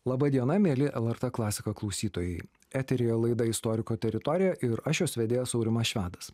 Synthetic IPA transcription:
lˠɑbɐd̪ʲiɛnɐmʲeːlʲɪʔɛlˠɛɾt̪ɛklˠɑːsʲɪkɐklˠɐʊsʲiːt̪oːjɛɪ | æːt̪ʲɛɾʲeːjolˠɐɪd̪ɐɪst̪ɔɾʲɪkoːt̪ʲɛɾʲɪt̪ɔɾʲɪjɛʔɪɾɐʃʲoːsʋʲɛd̪ʲeːjosɒʊɾʲɪmɐsʃʲʋʲæːd̪ɐs

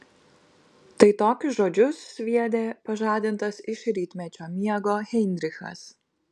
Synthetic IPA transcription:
t̪ɐɪt̪oːkʲsʒoːd͡ʒʲʊsːʲʋʲiɛd̪ʲeːpɐʒɑːd̪ʲɪnt̪ɐsɪʃɾʲiːt̪ʲmʲɛt͡ʃʲoːmʲiɛɡoːɣʲɛɪnʲd̪ʲɾʲɪxɐ̰s

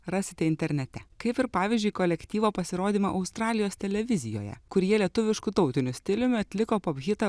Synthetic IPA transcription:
ɾɑːsʲɪt̪ʲɛɪnʲt̪ʲɛɾʲnʲɛt̪ʲɛkɐɪpɪɾpɑːʋʲiɪːzʲd͡ʒʲʊɪkoːlʲɛkʲt̪ʲiːʋoːpɐsʲɪɾoːd̪ʲiːmɐʔɐʊst̪ɾɑːlʲɪjoːst̪ʲɛlʲɛʋʲɪzʲɪjo̰ːjɛ̰kʊɾʲjiɛlʲiɛt̪ʊʋʲɪʃkʊt̪ɒʊt̪ʲɪnʲʊsʲt̪ʲɪlʲʊmʲʊɐt̪ʲlʲɪkoːpoːbʲɣʲɪt̪ɐ

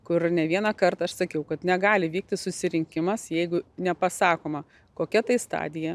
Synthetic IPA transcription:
kʊɾnʲɛʋʲiɛnɐkɐrt̪ɐɐʃsɐkʲɛʊkɐt̪nʲɛɡɑːlʲɪʋʲiːk̚t̪ʲɪsʊsʲɪɾʲɪŋʲkʲɪmɐsjɛɪɡʊnʲɛpɐsɑːkoːmɐ | koːkʲɛt̪ɐɪst̪ɑ̰ːd̪ʲɪjɛ

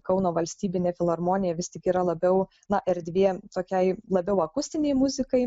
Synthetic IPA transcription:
kɐʊnoːʋɐlʲsʲt̪ʲiːbʲɪnʲeːfʲɪlˠɐɾmoːnʲɪjɛʋʲɪst̪ʲɪkiːɾɐlˠɐbʲɛʊ | nɐʔɪɾd̪ʲʋʲiɛt̪oːkʲɛɪlˠɐbʲɛʊɐkʊsʲt̪ʲɪnʲɛɪmʊzʲɪkɐɪ

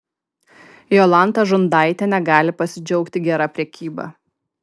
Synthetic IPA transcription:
joːlˠɑˑnˑt̪ɐʒʊnd̪ɑˑɪt̪ʲɛnʲɛɡɑːlʲɪpɐsʲɪd͡ʒʲɔʊkt̪ʲɪɡʲɛɾɑpʲɾʲɛkʲiːbɑ̰

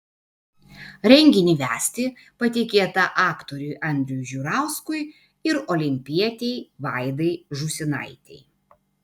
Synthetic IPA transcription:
ɾʲɛŋʲɡʲɪnʲiʋʲæːsʲt̪ʲɪ | pɐt̪ʲɪkʲeːt̪ɐʔɑːkt̪oɾʲʊɪʔɐnʲd̪ʲɾʲʊjʊʒʲʊɾɑˑʊskʊɪ | ɪɾɔlʲɪmʲpʲiɛt̪ʲɛɪʋɑɪd̪ɐɪʒʊsʲɪnɐ̰ɪt̪ʲɛ̰ɪ

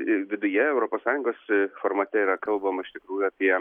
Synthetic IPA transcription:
ɪʋʲɪd̪ʊjɛɛʊɾoːpoːssɑːjʊŋɡoːsfoːɾmɐt̪ʲɛiːɾɐkɐlˠbɐmɐɪʃt̪ʲɪkɾuːjʊɐpʲiɛ

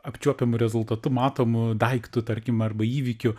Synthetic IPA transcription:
ɐpʲt͡ʃʲuɔpʲɛmʊɾʲɛzʊlˠt̪ɐt̪ʊmɑːt̪oːmʊd̪ɐɪkt̪ʊt̪ɐrʲkʲɪmɐrbɐiːʋʲikʲʊ

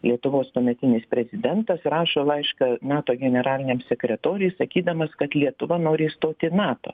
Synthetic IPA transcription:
lʲiɛt̪ʊʋoːspɐmʲɛt̪ʲɪnʲɪspʲɾʲɛzʲɪd̪ʲɛnt̪ɐsrɑːʃoːlˠɐɪʃkɐnɑːt̪oːɡʲɛnʲɛɾɑːlʲɪnʲeːmsʲɛkɾʲɛt̪oːɾʲɛjsɐkʲiːd̪ɐmɐskɐt̪lʲiɛt̪ʊʋɐnoːɾʲɪst̪oːt̪ʲɪnɑːt̪o̰ː

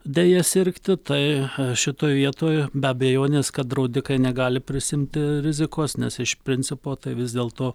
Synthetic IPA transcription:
d̪ʲejɛsʲɪɾʲkt̪ʲɪt̪ɐɪʃʲɪt̪oːjʋʲiɛt̪oːjbʲɛɐbʲɛjoːnʲeːskɐt̪̚d̪ɾɐʊd̪ʲɪkɐɪnʲɛɡɑːlʲɪpʲɾʲɪsʲɪmʲt̪ʲɪɾʲɪzʲɪkoːsnʲɛsɪʃpʲɾʲɪnʲt͡ssʲɪpoːt̪ɐɪʋʲɪzd̪ʲeːlˠt̪oː

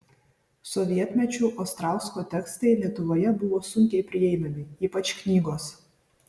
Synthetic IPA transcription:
sɔʋʲiɛt̪ʲmʲɛt͡ʃʲuːʔɐʊst̪ɾɑˑʊskoːt̪ʲɛkst̪ɐɪlʲiɛt̪ʊʋoːjɛbʊʋoːsʊŋʲkʲɛɪpʲɾʲɪɛɪmʲɐmʲɪiːpɐt͡ʃʲknʲiːɡoːs

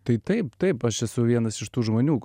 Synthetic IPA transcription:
t̪ɐɪt̪ɐɪpt̪ɐɪpɐʃjɛsʊʋʲiɛnɐsɪʃt̪uːʒmoːnʲuː

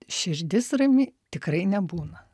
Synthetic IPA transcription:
ʃʲɪɾʲd̪ʲɪsrɐmʲiːt̪ʲɪkɾɐɪnʲɛbuːnɐ

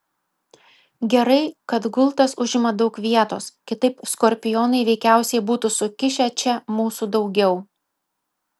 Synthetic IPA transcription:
ɡʲɛɾɐɪkɐt̪ɡʊlˠˑt̪ɐsʊʒʲɪmɐd̪ɒʊkʋʲiɛt̪o̰ːskʲɪt̪ɐɪpskɔɾʲpʲɪjoːnɐɪʋʲɛɪkʲæˑʊsʲɛɪbuːt̪usʊkʲɪʃʲɛt͡ʃʲɛmuːsuːd̪ɒʊɡʲɛʊ

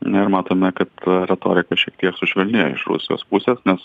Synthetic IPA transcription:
nɪɾmɑːt̪oːmʲɛkɐt̪ɾʲɛt̪oːɾʲɪkɐʃʲiɛk̚t̪ʲiɛksʊʃʲʋʲɛlʲnʲɪjo̰ɪ̰ʃɾṵsʲɪjo̰spʊsʲeːsnʲɛs

